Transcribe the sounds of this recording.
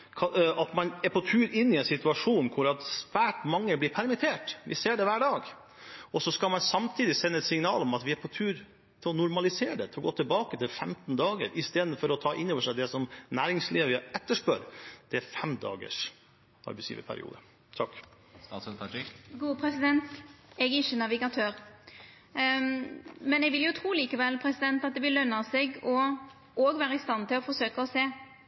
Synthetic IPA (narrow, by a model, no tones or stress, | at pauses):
kʰɑɑt̪mɑnɛpʰɔt̪ʰʉːɾɪnːɪɛnsɪt̪ʉɑʂuːnkʰʊɾɑt̪sʋæːʈmɑŋːəblɪpʰæɾmɪt̪ʰeːʈʋɪ̰seːɖɛʋæːɖɑːɡ | ɔsɔskɑlmɑnsɑmt̪ʰiːd̪ɪsɛnːəɛt̪sɪŋnɑːlɔmɑt̪ʋɪæpʰɔt̪ʰʉːɾ | t̪ʰɪlɔnʊɾmɑlɪseːəɖɛt̪ʰɪlɔɡoːt̪ʰɪlbɑːkət̪ʰɪlfɛmt̪n̩d̪ɑːɡə̰ɾʔɪst̪eːd̪n̩fɔɾɔt̪ʰɑːʔɪnːoːʋəʂæɪd̪ɛsɔmnæːɾɪŋsliːʋʋɪɛt̪ːəʂpœɾd̪̥ɛæfɛmd̪ɑ̰ːɡə̰ʂ | ʔɑ̰ɾbɛsjḭːʋə̰pʰæ̰ɾɪ̰ṵːd̪ə | t̪ʰɑk̪ | ɑsɡuːəpʰɾɛsɪd̪ɛnt̪ɛɡɪçːənɑʋɪɡɑt̪ʰøːɾ | mɛnɛɡʋɪljʊt̪ʰʁuːliːkəʋɛlpʰɾɛsɪd̪ɛnt̪ɑt̪̚d̪ɛʋɪlːœnːɑseɡɔ | oːɡʋæːɾəɪst̪ɑnt̪ʰɪlɔfɔsøːkəɔseː